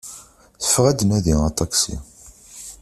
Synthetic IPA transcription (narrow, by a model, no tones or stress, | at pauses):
θə̥fʁæd̪næðiət̪ˤɑksḭ